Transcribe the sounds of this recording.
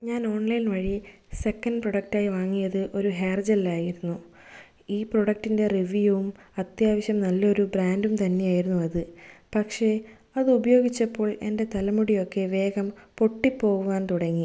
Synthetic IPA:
ɲaːno̞ːɳlɐjnʋɐɻise̞kːɐndproɽɐk̚ʈaːjiʋaːŋːijɐðɨʔo̞ɾuɦeːrd͡ʑɐlːaːjiɾunːu | iːpro̞ɽɐk̚ʈːinde̞riʋijuum | ɐt̪jaːʋɐɕjɐmnɐlːɐo̞ɾubɾaːndumt̪ɐnːe̞jaːjiɾunːuɐðɨpɐkʂe̞ | ɐðɨubɐjo̞ːɡit͡ɕːɐpːo̞ːɭe̞̰nde̞t̪ɐlɐmuɽijo̞kːe̞ʋe̞ːɡɐmpo̞ʈːipːo̞ːɣuʋaːnt̪uɽɐŋːi

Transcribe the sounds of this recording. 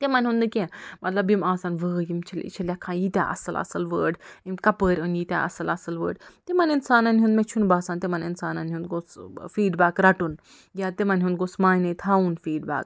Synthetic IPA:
t̪emanʲɦũnd̪ɨkʲẽmɐt̪lɐbimaːsaːnʋəːjimt͡ʃʰɐlʲḭt͡ʃʰɐlʲjakʰãːjit̪ʲa̰ʔɐ̰sɐlɐ̰sɐlʋəːɖimkɐpəːɾʲənjit̪ʲa̰ʔɐsɐlɐsɐlʋə̰ːɖt̪emɐninsaːnɐnɦũnd̪met͡ʃʰunbaːsaːnt̪emɐninsaːnanɦũnd̪ɡosfiːɖbaːkɾɐʈun | jʲaːt̪emɐnʲɦũnd̪ɡosmaːinɐt̪ʰaːunfiːɖba̰ːk̚

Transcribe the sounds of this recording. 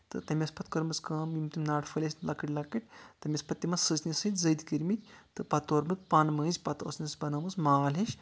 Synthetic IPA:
t̪ɨ̰t̪ɐmʲɐspɐt̪kɐɾmɨskɐːmjimt̪imnaːʈʰfɨlʲɐsʲnʲlɐkiʈʲlɐkiʈ̚ʲt̪ɐmʲɐspɐt̪ːʲimɐssɨznʲisɨt̪ʲzɐd̪kiɾmit̪ʲʰt̪ɨpɐt̪oːɾmɨk̚pɐnmɐːnzʲpɐt̪o̰snʲɐsbɐnɐmɨsmaːliʃ

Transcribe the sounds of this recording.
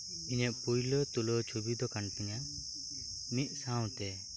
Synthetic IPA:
iɲɛʔpujlɔt̪ulɔt͡ʃʰubid̪ɔkant̪ɛŋa | mit̪̚ˀsãw̃t̪ɛ

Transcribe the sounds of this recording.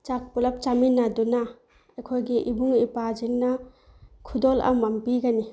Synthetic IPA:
t͡ʃak̚pulɐp̚t͡ʃaminaduna | ɐjkʰojɡiʔibuŋipad͡ʒiŋnɐ | kʰudolɐ̰mːɐmpiɡani

